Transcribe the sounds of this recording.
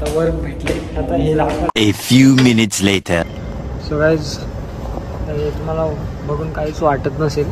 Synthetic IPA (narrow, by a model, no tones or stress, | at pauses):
t̪əʋəɾkbʱeʈleat̪aɦelaefjuːmɪnɪtsleʈʰə | səɡɭad͡z | əɾet̪um̤ala | bʱəɡuːnkaɦiːt͡sʋaʈət̪nəsel